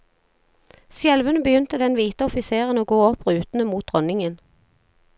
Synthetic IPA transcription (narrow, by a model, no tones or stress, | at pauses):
sjɛlʋənəbəjʏnt̪əd̪ɛnʋiːt̪əɔfɪseːʁənoːɡoːɔpʁʉːt̪n̩əmuːt̪̚d̪ʁɔnɪŋən